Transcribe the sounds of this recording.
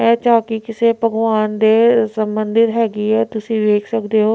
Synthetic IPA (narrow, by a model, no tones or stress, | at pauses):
ɛ̃ːt͡ʃaːkikɪseːbʱəɡʋaːnd̪eːsə̃mbənd̪ɪt̪ɦɛːɡiːɛːt̪ʊsĩːʋeːkʰsəkd̪eːɦoː